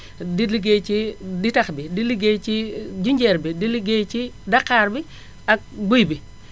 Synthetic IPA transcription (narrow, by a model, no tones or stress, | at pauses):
diliɡet͡ʃiditaxbidiliɡet͡ʃid͡ʒuɲd͡ʒɛɾbidiliɡet͡ʃidakːaːɾbi | ak̚bujbi